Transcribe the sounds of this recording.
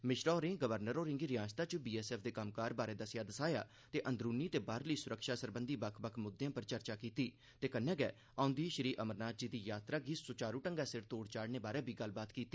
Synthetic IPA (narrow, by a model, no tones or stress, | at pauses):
mɪʃɾɔːɾɪ̃ɡəʋəɾnəɾoːɾɪ̃ŋɡiːɾɪãːst̪ãːt͡ʃəbiːɛːsɛːpʰd̪eːkəmkaːɾbaːɾeːd̪əsjaːd̪əsaːja̰ː | t̪eːʔə̃nd̪ɾuːniːt̪eːbaːɾləiːsʊɾəkʃaːsəɾbənd̪iːbəkʰbəkʰmʊd̪ːjãːpəɾt͡ʃəɾt͡ʃaːkiːt̪iː | t̪eːkənːɛ̃ːɡɛ̰ː | ãʊ̃nd̪iːʃəɾiːʔəməɾnaːt̪̚d͡ʒiːd̪iːjaːt̪ɾaːɡiːsʊt͡ʃaːɾũːʈəŋɡɛːsɪɾt̪oːɽt͡ʃaːɽneːbaːɾɛːbʱiːɡəlːbaːt̪kiːt̪ːi